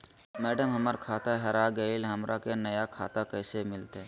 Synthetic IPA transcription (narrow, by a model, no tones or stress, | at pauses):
mɛːɖəmɦɐməɾkʰaːt̪aɦɛɾaɡɐɪlɦɐmɾʔakenɐjakʰaːt̪akɛːsemɪlt̪ɦɛː